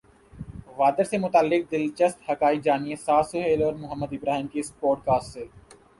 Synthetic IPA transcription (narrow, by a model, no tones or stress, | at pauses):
ʋaːd̪əɾsemʊt̪aːlːɪk̚d̪ɪlt͡ʃəst̪hɐkaːid͡ʒaːniesaːsʊɦeːlɔːɾmʊɦəmːəd̪ɪbɾaːɦɪmkiɪspɔːʈ̚kaːsʈseː